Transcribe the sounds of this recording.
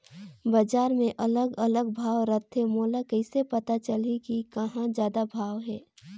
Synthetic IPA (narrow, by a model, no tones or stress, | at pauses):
bəd͡ʒaːɾmẽʔɐləɡələɡbʱaːʋɾət̪ʰɦemoːlakəɪsepɐt̪at͡ʃəlikikɐɦãd͡ʒjaːd̪abʱaːʋɦɛː